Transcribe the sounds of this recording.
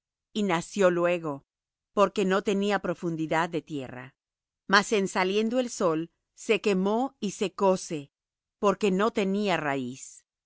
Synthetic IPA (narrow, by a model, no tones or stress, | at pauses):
inasjo̞lwe̞ɣo̞ | po̞ɾke̞no̞t̪e̞niapɾo̞fund̪iðaðːe̞t̪je̞̰ra̰ | mase̞nsalje̞nd̪oe̞lso̞l | se̞ke̞mo̞ise̞ko̞se̞ | po̞ɾke̞no̞t̪e̞niarais